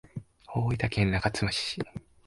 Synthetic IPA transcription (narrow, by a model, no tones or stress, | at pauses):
oːit̪akʰẽnːakat͡sɨmaɕi̥i